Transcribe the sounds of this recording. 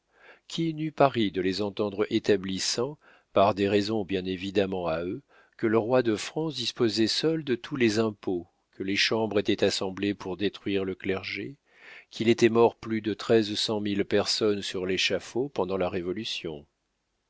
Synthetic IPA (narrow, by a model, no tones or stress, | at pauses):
kʰʲinypaʁid̪əlezɑ̃t̪ɑ̃d̪ʁet̪ablisɑ̃ | paʁd̪eʁɛzɔ̃bjɛ̃nevid̪amɑ̃aø | kələʁwad̪əfχɑ̃sd̪ispozɛsœld̪ət̪ʰulezɛ̃po | kʰəleʃɑ̃bʁet̪ɛt̪asɑ̃blepuʁd̪et̪χɥiʁləklɛʁʒe | kʰʲilet̪ɛmɔʁplyd̪ət̪χɛzsɑ̃milpɛʁsɔnsyʁleʃafopɑ̃d̪ɑ̃laʁevɔlysjɔ̰̃